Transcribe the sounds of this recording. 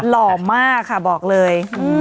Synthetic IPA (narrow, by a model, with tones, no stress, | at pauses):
lɔː˨˩maː˥˩kʰːa˥˩bɔː˨˩k̚lɤː˧jɯː˧˩